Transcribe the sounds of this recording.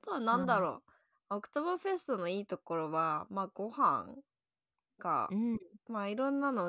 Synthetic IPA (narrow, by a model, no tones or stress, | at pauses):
t̪oβanãnd̪aɾo̞̰ː | okɯ̟̥t̪oβɯɸe̞sɨ̥t̪o̞no̞iːt̪o̞ko̞ɾo̞βamaːɡo̞hã̰ŋ | ka̰maiɾõ̞nːano